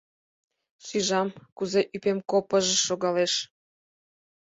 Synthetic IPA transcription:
ʃiʒɑmkuzeʔypemkopəʒĕʃoɣɑleʃ

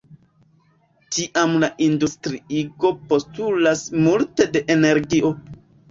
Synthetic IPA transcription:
tiʔamlaʔindustɾiiɡo̞po̞stulasmulte̞de̞ʔene̞ɾɡiʔo̞

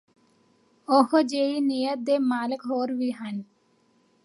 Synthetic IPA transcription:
ohod͡ʒeinijət̪̚d̪emaːlɪkɦoːɾʋiɦan

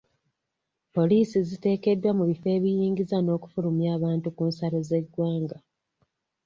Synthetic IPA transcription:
po̞liːsizite̞ːke̞dːwamuβife̞ːβijiːŋɡizano̞ːku̥fulumjaːβaːntukuːnsalo̞ze̞ɡwaːŋɡa

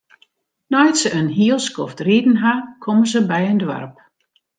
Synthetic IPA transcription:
nɔjtsəənɦiəlˠskɔftridn̩ɦakʰɔməzəbɛjəndʋa̰rp

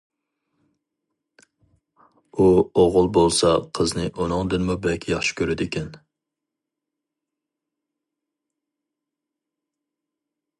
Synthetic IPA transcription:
uoʁʊlˠbolˠsɑqʰəznɨʔunɨŋd̪ɪnmubɛkʲjɑχʃɪ̥kʲʰøɾɪd̪ɪkʲɛn

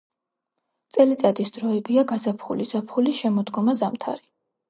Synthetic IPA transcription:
t̪sʼɛlit̪sʼad̪isd̪ɾɔɛbiaɡazapʰχṵliz̥apʰχulisʃɛmɔd̪ɡɔmazamt̪ʰa̰ɾi

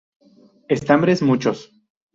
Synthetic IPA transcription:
est̪ambɾesmut͡ʃos

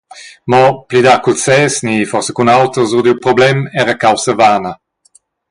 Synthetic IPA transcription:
mɔplid̪akulsɛsnifɔʁsɛkunawt̪əzud̪iwpʁɔblɛmɛːʁəkawsəvaːnə

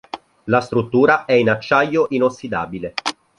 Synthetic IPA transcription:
last̪ɾut̪ːuːɾaʔɛinat͡ʃːajːoʔinosːid̪aːbile

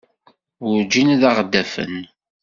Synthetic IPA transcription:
ʊɾd͡ʒinæðaʁd̪ːæfə̰n

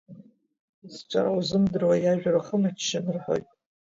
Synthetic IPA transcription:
sʈ͡ʂʷʼaɾawzɨmdɨrwajaʒᶣaraχəmat͡ʃʰːanɨrħo̰jtʼ

